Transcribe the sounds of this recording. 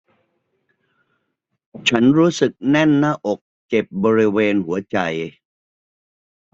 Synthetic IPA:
t͡ɕʰa˦˥nɾuː˦˥sɯ˨˩k̚nɛ˥˩nːa˦˥˨ʔo˨˩k̚t͡ɕe˨˩p̚bɔː˧ɾi˦˥weː˧nhu˩˦ɐt͡ɕa˧j

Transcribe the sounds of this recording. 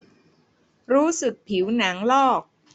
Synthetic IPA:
ɾuː˦˥sɯ˨˩k̚pʰi˩˦wna˩˦ŋlɔː˥˩k̚

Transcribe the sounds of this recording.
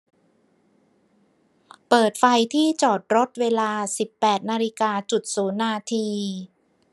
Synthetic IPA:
pɤː˨˩t̪̚fa˧jt̪ʰiː˥˩t͡ɕɔː˨˩t̪̚ɾo˦˥t̪̚weː˧laː˧si˨˩pːɛː˨˩t̪̚naː˧li˦˥kaː˧t͡ɕu˨˩t̪̚suː˩˦nːaː˧t̪ʰiː˧

